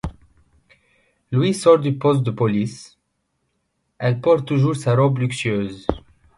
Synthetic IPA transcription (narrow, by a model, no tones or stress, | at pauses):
lwisɔʁd̪ypɔst̪̚d̪əpɔlis | ɛlpɔʁuʒuʁsaʁɔblyksɥøz